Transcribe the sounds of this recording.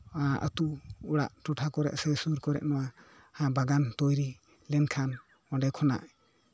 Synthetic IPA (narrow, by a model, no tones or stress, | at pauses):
aʔə̰t̪uuɽa̰ʔʈuʈʰakɔɾɛ̰ʔsɛsuɾkɔɾɛ̰ʔnɔwa | hãbaɡant̪ɔjɾi | lɛnkʰan | ɔ̃ɖɛkʰɔna̰ʔ